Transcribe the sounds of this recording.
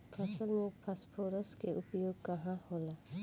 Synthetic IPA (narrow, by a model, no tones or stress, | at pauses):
pʰasəlmɔpʰaspʰoɾəskeʔupɔjoɡ̚kaɦãhɔla